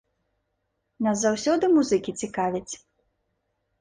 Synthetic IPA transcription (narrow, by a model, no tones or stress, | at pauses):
nɐzawsʲɔd̪ɨmuzɨkʲit͡sʲikavʲit͡sʲ